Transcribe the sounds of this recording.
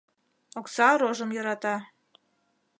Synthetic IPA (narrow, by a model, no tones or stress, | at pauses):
oksɑɾoʒəmjɤɾɑt̪ɑ